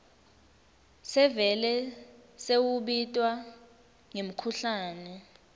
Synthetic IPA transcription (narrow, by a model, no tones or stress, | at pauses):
sɛvɛlɛsewuɓitʼwa | ŋem̩kʰuɬaːnɛ